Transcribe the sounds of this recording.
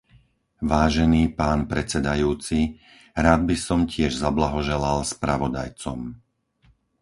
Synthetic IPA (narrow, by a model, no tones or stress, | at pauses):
ʋaːʒɛniːpaːnpɾɛt͡sɛd̪ajuːt͡si | ɾaːd̪̚bisɔmcɪɛʒzablaɦɔʒɛlalspɾaʋɔd̪a̰jt͡sɔ̰m